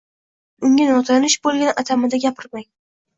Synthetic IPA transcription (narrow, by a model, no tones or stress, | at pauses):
ʊŋʲanɒt̪ʰanɪʃbolˠɡʲanat̪ʰamɪd̪aɡʲapʰɪɾmaj